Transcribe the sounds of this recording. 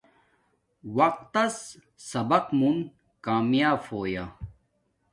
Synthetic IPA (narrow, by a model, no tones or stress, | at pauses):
wɐq̚t̪ɐs | sɐbɐqmun | kaːmjaːfoːja